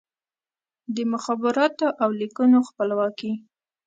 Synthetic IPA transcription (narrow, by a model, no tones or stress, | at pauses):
d̪əmʊxɑbɪɾɑt̪oʔawlikunoxpəlwɑki